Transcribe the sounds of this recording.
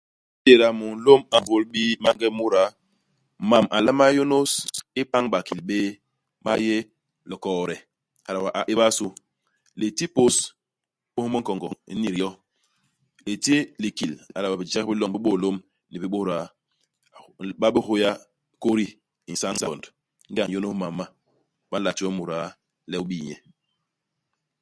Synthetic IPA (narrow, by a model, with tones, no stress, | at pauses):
de˨ɾa˨mu˨n˨˦lo˦ma˨vo˦lbi˦ma˦ŋɡɛ˦mu˦ɾa˨˦ | ma˨mʔa˨la˦ma˦jo˦no˦si˦pa˦ŋɓa˨ki˨lɓeː˦ | ma̰˦je˦ | lɔ˨kɔ˨ɾɛ˨ | a˨la˨ba˨ʔa˨ʔi˦ba˦su˦ | le˨ti˦po˦s | ɓo˦mə˦ŋ̩kɔ˨ŋɡɔ̰˨ḭ˦ni˨ɾi˨jɔ˦ | le˨ti˦li˨ki˨la˨la˨ba˨bi˨d͡ʒa˦k̚bi˦lɔ˨ŋbi˦ɓo˦˨lo˦m | ni˨bi˦ɓo˦ɾa˨˦˨ | ɓa˦bi˦ho˦ja˦ | ko˦ɾi˦ | i˨sa˦ŋ˦sa˨nd | ŋ̩˦a˦˨ŋ˨jo˦no˦ma˨ma˦ | ba˦la˨tu˦ɔ˦mu˨ɾa˦ | lɛ˦u˦ɓi˦˨ɲɛ˨